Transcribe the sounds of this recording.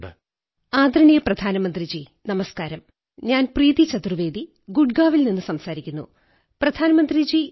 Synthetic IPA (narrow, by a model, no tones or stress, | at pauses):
aːd̪ɾɐɳijɐprɐd̪ʱaːnɐmɐnd̪rid͡ʑi | nɐmɐskaːɾɐm | ɲaːnpriːðit͡ɕɐt̪rɨʋe̞ːd̪i | ɡuɖɡaːʋilninːɨsɐmsaːɾikʲːunːṵ | prɐd̪ʱaːnɐmɐnd̪rid͡ʑi